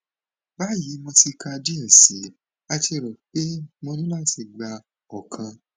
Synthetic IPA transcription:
ba˦ji˨˦mɔ̃˧ti˧ka˧di˦ɛ˨si˨˦ | a˧ti˧e˧˨ɾɔ˨k͡pe˦mõ˧nũ˦la˦ti˨˧˨ɡ͡ba˧ | ɔ˨kʰã˧

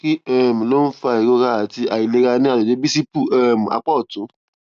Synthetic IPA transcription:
ki˦ɛ˦˨mĩ˨lo˦n̩˦fa˧i˨ɾo˧ɾa˦a˨ti˧a˨i˨le˨˦ɾa˧nĩ˦a˨lo˨d͡ʒe˨˦bi˦si˦pu˦˨ɛ˦˨m̩˨a̰˧k͡pɔ˦˨tũ˨˦

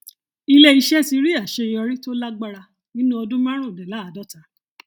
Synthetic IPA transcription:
i˧le˦i˧ʃɛ˦si˧ɾi˦a˨ʃe˧˨ĩ˧ɔ˧ɾi˦to˦la˦ɡ͡ba˦ɾa˧ | nĩ˦nũ˦ɔ˧dũ˦mã˦ɾ̃ũ˦˨dɛ˨la˨˦a˨dɔ˦˨ta˨˦

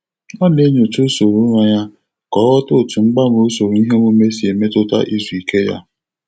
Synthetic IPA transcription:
ɔ˦ne˦ɲo˨tu˦so˨ɾu˦ɾa˦ɲa˦ | kɔ˨˦ɾɔ˦to˦˨tu˨ŋ͡m̩˦ɡ͡ba˦m˨o˦so˨ɾu˨i˦ɦe˦mo˦me˦si˨e˨me˦tʊ˦ta̰˦ʔi˦zu˨i˨ke˦ja̰˦

